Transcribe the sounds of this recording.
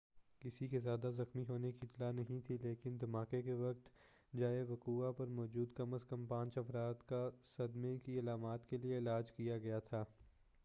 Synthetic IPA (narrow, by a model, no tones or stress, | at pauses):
kɪsikezjaːd̪azɐxmiɦoːnekit̪lanɐɦĩt̪ʰileːkɪnd̪ɐmaːkekeʋɐk̚t̪ | d͡ʒaːeʋɐkuːapɐɾmɔːd͡ʒuːd̪kɐməskɐmpãːt͡ʃɐfɾaːt̪kasɐd̪mekiɐlaːmaːt̪kelieɪlaːd͡ʒkijaɡɐjat̪ʰaː